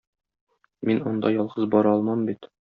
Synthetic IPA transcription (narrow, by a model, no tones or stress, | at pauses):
minond̪ɑjɒlˠʁɤzbɒɾɒlˠmɑmbit̪